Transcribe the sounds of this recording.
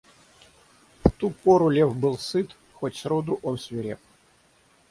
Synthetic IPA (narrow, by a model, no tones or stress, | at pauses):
ft̪upoɾʊlʲefbɨlˠsɨt̪ | xotʲsɾod̪ʊʔonsʲvʲɪɾʲep